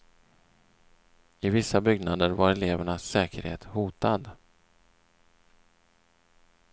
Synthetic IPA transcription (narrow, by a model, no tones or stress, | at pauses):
ɪvɪsːabʏɡnad̪əɾvaɾɛleːvəɳasɛːkəɾhḛːt̪huːt̪ad̪